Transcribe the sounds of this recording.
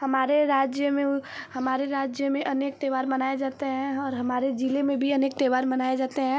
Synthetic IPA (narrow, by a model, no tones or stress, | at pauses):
hɐmaːɾeɾaːd͡ʒjəmẽhɐmaːɾeɾaːd͡ʒjəmẽʔɐneːk̚t̪eːʋaːɾmɐnaːed͡ʒaːt̪eɦɛ̃ɔːɾɦɐmaːɾed͡ʒilemẽbʱiɐneːk̚t̪eːʋaːɾmɐnaːjed͡ʒaːt̪eɦɛ̃ː